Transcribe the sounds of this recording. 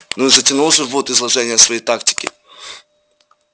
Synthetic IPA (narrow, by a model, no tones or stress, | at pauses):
nuzətʲɪnulˠʐɨvot̪ɪzlˠɐʐɛnʲɪjəsvɐjejt̪aktʲɪ̥kʲɪ̰